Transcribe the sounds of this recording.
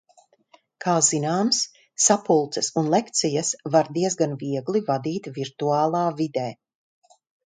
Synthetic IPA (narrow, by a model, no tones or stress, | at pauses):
kʰaːzinaːmsː | apulˠt̪sɐsunlˠɛkt̪sʲijasvaɾd̪iɛzɡanviɛɡlˠivad̪iːt̪viɾt̪uaːlˠaːvid̪ɛː